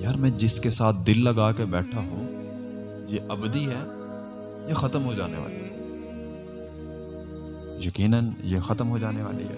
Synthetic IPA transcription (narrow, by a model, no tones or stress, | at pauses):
jaːɾmɛ̃ːd͡ʒɪskesaːt̪̚ʰd̪ɪlːɐɡaːkebɛːʈʰaɦũ | jeʔɐbd̪iɦɛː | jaxɐt̪əmɦod͡ʒa̰ːnḛʋa̰ːlḭɦɛ | jɐkiːnənjexɐt̪əmɦod͡ʒaːneʋa̰ːlḭɦɛ̰ː